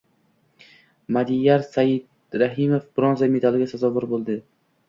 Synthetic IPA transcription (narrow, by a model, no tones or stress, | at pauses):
mad̪ijaɾsajɪd̪̚ | ɾaɦimofb̥ɾonzamed̪alˠɡʲasazɒvʊɾbolˠd̪ɪ